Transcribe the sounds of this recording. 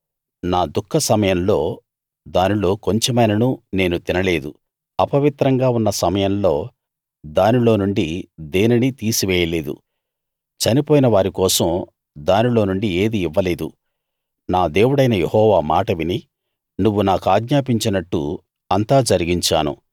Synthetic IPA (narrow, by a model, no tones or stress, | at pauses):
naːd̪ukʰːɐsɐmɐjɐmlo̞ː | d̪aːnilo̞ːko̞ɲt͡ʃemɐjnɐnune̞ːnut̪inɐle̞ːd̪u | ɐpɐʋit̪ɾɐŋɡaːunːɐsɐmɐjɐmlo̞ː | d̪aːnilo̞ːnuɳɖid̪e̞ːninit̪iːsiʋɛːjɐle̞ːd̪ṵ | t͡ʃɐnipoːjinɐʋaːɾikɔːsɐm | d̪aːnilo̞ːnuɳɖie̞ːd̪iːʋːɐle̞ːd̪ṵ | naːd̪e̞ːwuɽɐjnɐjehɔːʋaːmaːʈɐʋini | nuʋːunaːkuaːɡɲaːp̬iɲt͡ʃinɐʈːṵ | ɐnt̪aːd͡ʒɐɾiɡiɲt͡ʃa̰ːnṵ